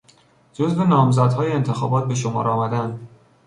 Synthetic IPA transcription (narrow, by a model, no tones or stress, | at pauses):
d͡ʒozve̞nɒːmzæd̪hɒːjeent̪ʰe̞xɒːbɒːt̪̚be̞ʃomɒ̰ːɾɒːmæd̪ænd̪